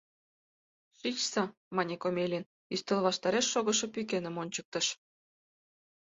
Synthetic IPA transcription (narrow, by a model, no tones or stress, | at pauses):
ʃit͡ɕsɑ | mɑnʲekomʲelʲin | yst̪ĕlβɑʃt̪ɑɾeʃːoɣɤ̆ʃɤ̆pykenə̆monʲt͡ɕək̚t̪ə̆ʃ